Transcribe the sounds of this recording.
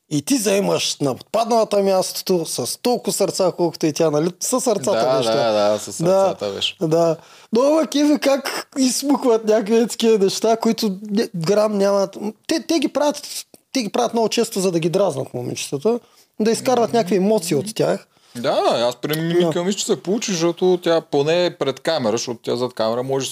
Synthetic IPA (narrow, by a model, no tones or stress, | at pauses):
it̪izɐɛmɐʃnɐpo̥t̪̚pad̪nɐvɐt̪əmʲjast̪o̥t̪osɐst̪olˠkʊsɐɾt̪sakolˠkʊ̥t̪ʊɛt̪ʲanɐlisɐsɐɾt̪at̪ɐbɛʃt̪ɛd̪asɐsd̪aat̪bɛ̰ʃd̪a | novɐkʲɛvɛkakismuxvɐt̪nʲakviɛt̪skʲiɛnɛʃt̪akʊit̪ʊɡɾamnʲamɐt̪t̪ɛt̪ɛɡʲipɾavʲɐt̪ːɛɡʲipɾavʲjɐt̪mnoɡʊt͡ʃɛst̪ozɐd̪ɐɡʲid̪ɾaznɐt̪momḭt͡ʃt̪ət̪ə | d̪ɐiskaɾvɐt̪nʲakviɛmɔt̪siːot̪tʲːax | d̪aaspɾimininkomiʃt͡ʃ̪t̪i̥sɛpolˠut͡ʃiʃtɔt̪ot̪ʲaponɛpɾɛt̪kamɛɾɐʃɔt̪ʊ̥t̪ʲazat̪kamɛɾɐmɔʒɛ